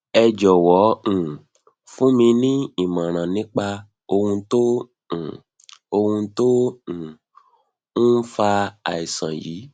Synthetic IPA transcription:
ɛ˧d͡ʒɔ˨wɔ̃˨˦˨ | fũ˦mĩ˧nĩ˦i˦˨mã˨ɾ̃ã˨nĩ˦k͡pa˧ | o˧hũ˧tõ˦˨ | o˧hũ˧tõ˦˨ | n̩˦n̩˦fa˧a˨i˨sã˨jḭː˨˦

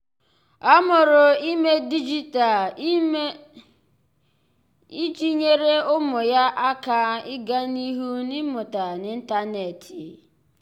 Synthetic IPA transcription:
ɔ˦mʊ˨ɾʊ˨i˦me˦di˦d͡ʒi˦ta˨˦ | i˦t͡ʃi˦ɲe˦ɾe˦ʊ˦mʊ˨ja˦ʔa˦ka˦ɪ˦ɡa˦ni˦ɦu˦nɪ˦mʊ˨ta˨nɪ˦n̩˦ta˦ne˨ti˨

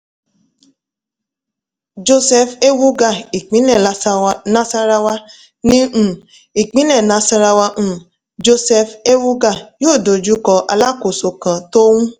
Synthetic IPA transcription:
d͡ʒo˧sɛ˧fe˦wu˦ɡa˦˨i˨k͡pĩ˨˦nɛ˦˨a˨˦˧na˦sa˧ɾa˧wa˧ | nĩ˦˨ | i˨k͡pĩ˨˦nɛ˦˨na˨˦sa˧ɾa˧wã˧˨ | d͡ʒo˧sɛ˧fe˦wu˦ɡa˦˨joː˦˨do˨d͡ʒu˨˦kɔ˧ʔa˧la˦ko˨so˨kã˨to˦wũ˦

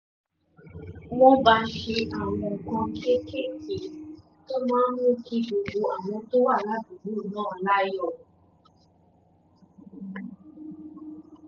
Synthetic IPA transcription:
wɔ̃˦ba˧ʃe˧ʔa˨w̃ɔ̃˧˨kã˧˦˧ke˦ke˦˨ki˨ | to˦mãː˦n˦mũ˦ki˧˦ɡ͡bo˨ɡo˧a˨w̃ɔ̃˧to˦wa˦˨la˦du˨bu˦˨nãː˦˨la˦jɔ˦˨

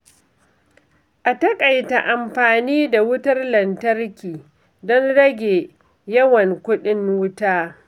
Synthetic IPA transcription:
ʔa˨tɐ˦kʼa˨jta˨ʔa˨mɸaː˨niː˦da˨wʊ˦tɐ˦rlɐ˨ntɐ˦rkʲiː˨ | dɔ˦nɽɐ˦ɡʲeː˨ | jɐ˦wɐ˨ŋkʷʊ˦ɗɪ˦nwʊ˦taː˦

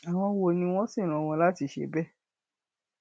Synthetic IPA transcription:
a˨w̃ɔ̃˧wo˧˨nĩ˧w̃ɔ̃˦si˦˨ɾ̃ũ˨w̃ɔ̃˧la˦ti˧˦ʃḛ˨˦bɛ˦˨

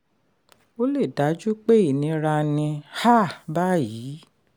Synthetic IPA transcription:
o˦le˦˨da˨˦d͡ʒu˦k͡pe˦i˦˨nĩ˧ɾa˧nĩ˧ha˦˨ba˦ji˨˦

